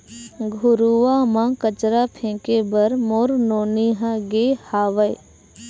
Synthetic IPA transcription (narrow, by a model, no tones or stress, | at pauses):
ɡʱʊɾuʋamãkət͡ʃɾapʰẽːkebɐɾmoːɾnoːniɦãɡeːhaːʋəj